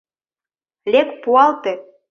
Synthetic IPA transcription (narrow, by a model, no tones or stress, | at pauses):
lʲekpuɑlt̪e